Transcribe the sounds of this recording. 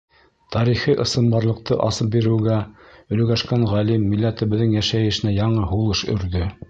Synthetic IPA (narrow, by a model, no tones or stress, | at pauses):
t̪ʰɑɾiχiʔɤ̆sɤ̆mbɑɾlˠɤ̆q̚t̪ʰɤʔɑsɤp̚biɾɘ̆wɡæɵ̆lɵ̆ɡæʃkænʁælimːilːæt̪ɘ̆βɘ̆ðːɘŋjæʃæjɘ̆ʃɘ̆næjɑɴɤhulˠɤʃɵ̰̆ɾðɵ